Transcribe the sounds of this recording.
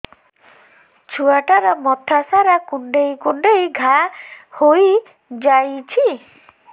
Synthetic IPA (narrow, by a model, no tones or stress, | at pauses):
t͡ʃʰuaʈaɾɔmɔt̪ʰasaɾakuɳɖejkuɳɖejɡʱahoj | d͡ʒajt͡ʃʰi